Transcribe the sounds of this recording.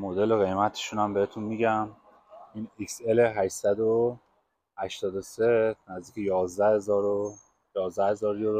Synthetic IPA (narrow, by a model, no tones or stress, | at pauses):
mod̪e̞loɣe̞jmæt̪ʰe̥ʃunæmbehet̪ʰunmiɟæm | inikse̞leɦæʃsæd̪o | hæʃt̪ɒːd̪o̞senæzd̪iːcʰejɒːzd̪æhezːɾo | jɒːzd̪æhe̞zɒːɾjod̪